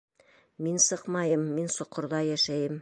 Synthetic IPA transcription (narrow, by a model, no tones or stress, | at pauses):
minsɤqmɑjɤmːinsŏqːŏɾðɑjæʃæjɘm